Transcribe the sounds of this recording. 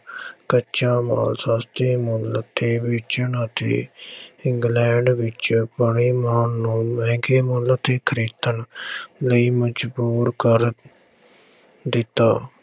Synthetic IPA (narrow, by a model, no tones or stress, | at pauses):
kəːt͡ʃaːma̰ːlsaːst̪eːmʊlət̪ːeːʋɪt͡ʃəɳət̪ḛːɪ̃ŋɡlɛ̃ːɳɖʋɪt͡ʃpəɳiːmaːnnũːmɛ̃ːɡeːmʊlət̪eːkʰəɾeːt̪ənləiːməd͡ʒbuːɾkəɾ | d̪ɪt̪ːaː